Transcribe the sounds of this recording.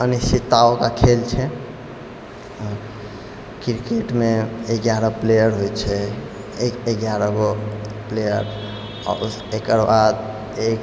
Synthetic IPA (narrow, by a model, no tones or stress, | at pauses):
ənisit̪ːaokakʰelt͡ʃʰɛ | kiɾkeʈmeekɡjaɾəplejəɾɦojt͡ʃʰɛ | ekekɡjaɾəɡoplejəɾ | ɔ̰ɾusekəɾbad̪ | ek